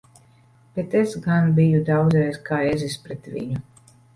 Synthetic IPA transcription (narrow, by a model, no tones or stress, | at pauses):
b̥et̪esɡanbijud̪awd̪zɾɛjzkaːɛzispɾɛt̪vʲḭɲu